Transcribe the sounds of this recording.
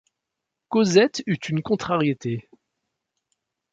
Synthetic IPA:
kozɛt̪yt̪ynkɔ̃t̪χaʁjet̪e

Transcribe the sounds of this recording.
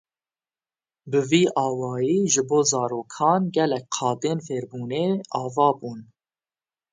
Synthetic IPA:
bɨviːʔɑːwɑːjiːʒɨboːzɑːɾoːkʰɑːnɡɛlɛk̚qʰɑːd̪eːnfeːɾbuːneːɑːvɑːbuːn

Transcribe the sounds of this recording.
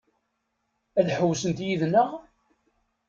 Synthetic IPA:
æðħəwːsənt̪jiðnəʁ

